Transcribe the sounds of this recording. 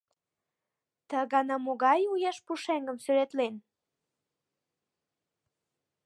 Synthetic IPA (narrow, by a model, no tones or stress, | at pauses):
t̪əɣɑnɑmoɣɑjujɑʃpuʃeŋɡəmsyɾet̪len